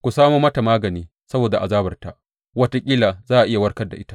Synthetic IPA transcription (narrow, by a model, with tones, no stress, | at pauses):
kʷu˨saː˦moː˦mɐ˦ta˨maː˦ɡɐ˨niː˦ | sɐ˦boː˨da˨ʔa˨zaː˦bɐ˨rta̰˨ʔ | wɐ˦ta˦kʲʼiː˦laː˨zaː˦ʔa˨ʔɪ˦ja˨wɐ˦rkɐ˦rda̰˨ʔɪ˦tḁ˦